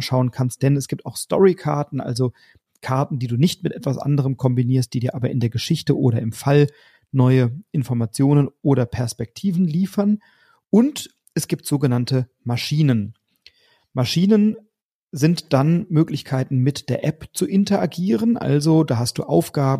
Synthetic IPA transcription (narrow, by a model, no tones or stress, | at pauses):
nʃaʊənkʰanst̚d̥ɛnɛsɡ̥iːp̚taʊxstɔ̰ʁikʰaɐtn̩ʔa̰lzo | kʰaɐtn̩diːduːnɪçtmɪtʔɛtv̥asʔa̰ndəʁ̞əmkʰɔmbiniːɐst̚d̥iːdiːɐʔaːbɐʔɪndeːɐɡəʃɪçtəʔoːɾɐɪmfal | nɔʏəʔɪnfɔɐmat͡sjoːnənʔoːɾɐpʰɛɐspɛk̚tʰiːvn̩liːfɐn | ʔʊnt | ʔɛsɡ̥iːp̚tz̥oːɡənantə | maʃiːnən | maʃiːnən | zɪntd̥anmøːklɪçkʰaɪtn̩mɪtd̥eːɐʔɛpt͡suʔɪntɐʔaɡiːʁ̞ənʔa̰lzodaːɦast̚d̥ṵːʔa̰ʊfɡ̥aːb